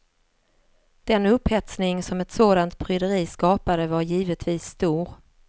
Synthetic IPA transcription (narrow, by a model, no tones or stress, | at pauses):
d̪̥ɛnɵphɛt̪snɪŋsɔmɛt̪soːd̪ant̪̚pʰɾʏd̪əɾiːskɑːpad̪əvaɾjiːvət̪viːsːt̪uːɾ